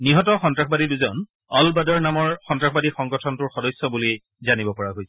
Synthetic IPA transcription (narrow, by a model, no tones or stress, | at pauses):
niɦɔtɔxɔntɹaxʰbadiduzɔn | ɔlbadɔɹnamɔɹxɔntɹakʰxɔbadixɔŋɡɔtʰɔntʊɹxɔdɔjsːɔbuli | zanibɔpɔɹaɦojsɛ